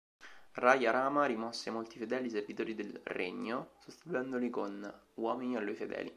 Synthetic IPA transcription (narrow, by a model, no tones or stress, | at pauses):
rajaɾaːmaɾimɔsːeamolt̪ifed̪ɛːliservit̪oːɾid̪elrḛɲːosost̪it̪uɛnd̪olikon | wɔːminialːujfed̪ɛ̰ːlḭ